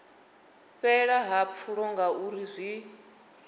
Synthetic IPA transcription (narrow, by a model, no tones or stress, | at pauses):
ɸɛɺaɦap̪fʰuɺɔŋɡauɾizʷi